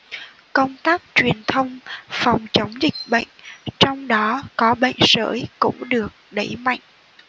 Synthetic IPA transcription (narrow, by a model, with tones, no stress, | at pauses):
kə˧wŋ͡mt̪aː˦˥k̚t͡ɕwi˨˩ənt̪ʰə˧wŋ͡mfa˨˩wŋ͡mt͡ɕə˨˦wŋ͡mzï˨˩k̚ɓə̰˧˨jŋ̟t͡ɕɔ˧wŋ͡mɗɔ˨˦kɔ˨˦ɓə̰˧˨jŋ̟zə̰ː˧˦jkʊ̰˧˥ŋ͡mɗɨ˨˩ək̚ɗə˧˩jma̰˧˨jŋ̟